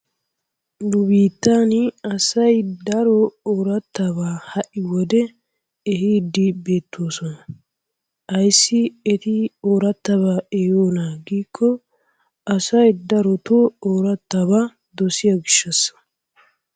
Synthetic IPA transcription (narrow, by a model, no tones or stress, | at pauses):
nʊbiːt̪ːanɪɐsɐjd̪ɐɾɔoːɾɐt̪ːabaːhɐʔɪwɔd̪ɛ | ɛɦiːd̪ːɪbe̞ːt̪ːoːsɔnɐ | ɐjsːɪɛt̪ɪoːɾɐt̪ːɐβaːɛjoːnaɡiːkʰːɔ | ɐsɐjd̪ɐɾɔt̪ooːɾɐt̪ːaba | d̪ɔsɪjɐɡɪʃːɐsːɐ̥